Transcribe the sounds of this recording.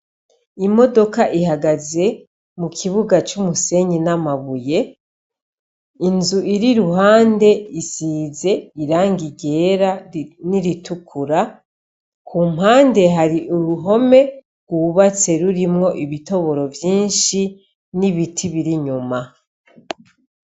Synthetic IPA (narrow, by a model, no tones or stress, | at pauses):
imo̞do̞kaʔiɦaɡaze̞ | mukʰiβuɡat͡ʃumuse̞ɲinamaβuje̞ | inzuʔiɾiɾuɦaːnde̞isiːze̞iɾaːŋɡiɟe̞ːɾaniɾitukʰuɾa | kʰuːmhaːnde̞ɦaɾiʔuɾuɦo̞me̞ | ɡ̥wuβat͡se̞ɾuɾimŋo̞ʔiβito̞βo̞ɾo̞vjiːnʃi | niβitʰiβiɾiɲuma